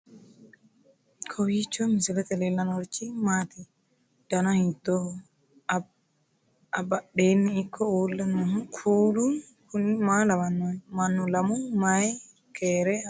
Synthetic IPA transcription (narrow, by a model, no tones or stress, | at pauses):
kʰɔwit͡ʃːomɪsɪlɛt̪ɛleːlːɐnɔɾt͡ʃːimaːt̪i | d̪̥ɐnɐhɪnt̪ːo | ɐbɐɗeːnːɪːkʰːɔuːlːɐnːkʰuːlu | kʰʊnmaːlɐmɐnːmɐnːʊlɐmʊmaj | kʰeːɾɛ